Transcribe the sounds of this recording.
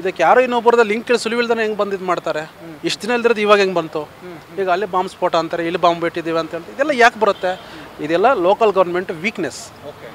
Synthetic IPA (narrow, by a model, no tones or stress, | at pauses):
id̪ɐkːjaːɾuːinːoːbɐɾd̪ɐliŋkːilsulʋild̪ɐneŋɡbɐnd̪id̪maːɖt̪aːɾeiʂʈd̪inɐild̪iɾod̪iːʋaːɡeŋɡbɐnt̪u | ɦiːɡɐlːibaːmspoːʈaːnt̪aːɾeilːibaːmbeːʈid̪iːʋeɐnt̪ɐɦeːɭt̪id̪ɛlːɐjaːkbɐɾut̪ːe̞id̪ɛlːɐloːkɐlɡɐʋɾnɐmeɳʈʋiːknes | oke